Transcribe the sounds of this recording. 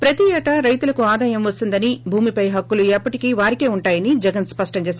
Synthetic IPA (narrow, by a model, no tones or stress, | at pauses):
pɾɐt̪iɛːʈɐɾɐjt̪ulɐkuaːd̪aːjɐmʋɐst̪und̪ɐnibʱuːmipɐjɦɐkːuluɛpːɐʈikiːʋaːɾikeːuɳʈaːjɐnid͡ʒɛɡɐnspɐʂʈɐmt͡ʃeːsa